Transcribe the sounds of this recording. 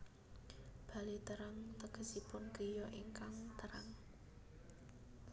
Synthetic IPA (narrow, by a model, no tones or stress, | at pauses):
b̥a̤lit̪əɾaŋt̪əɡ̥ə̤sipʊnkijɔʔiŋkaŋt̪əɾaŋ